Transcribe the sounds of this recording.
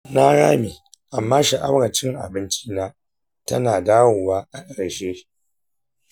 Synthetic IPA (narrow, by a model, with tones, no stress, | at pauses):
naː˦ɽa̰ː˦miː˨ | ʔa˨mːaː˦ʃi˨ʔa˦wɽɐ˨t͡ʃɪ˦ŋʔa̰˨bɪ˦nt͡ʃi̥ː˦naː˦ | tɐ˦naː˨daː˦woː˨waː˦ʔa˨kʼɐ˨ɽʃeː˦